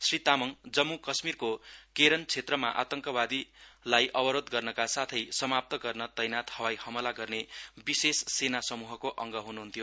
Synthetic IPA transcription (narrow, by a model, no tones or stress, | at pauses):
srit̪amʌŋd͡zʌmːukʌsmirkokeɾʌnt͡sʰet̪rʌma̰ʔa̰t̪ʌŋkʌbad̪ilajʔʌbʌɾod̪ɡʌrnʌkasat̪ʰʌjsʌmap̚t̪ʌɡʌrnʌt̪ʌjnat̪hʌwajhʌmʌlaɡʌrnebisessenasʌmuɦʌkoʔʌŋɡʌɦunuɦunt̪ʰijo